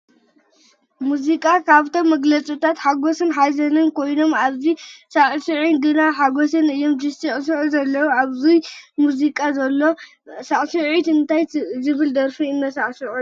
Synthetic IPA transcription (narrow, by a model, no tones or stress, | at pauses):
muzikʼakʰaβt̪ʰomːɐɡlɐt͡sʼut̪ʰat̪ħaɡosɨnħajzɐnɨnkʰojno̞maβzisaʔʼsɨʕinɡɨnaħaɡosɨnɨjːomd͡ʒɨst̪ʼiʔʼs̬ɨʕuzɐlːɐwuaβzujmuzikʼazɐlːo̞ | saʔʼsɨʕit̪ɨnt̪ʰajzɨβɨld̪ɐɾfiɨnːɐsaʕsɨʕu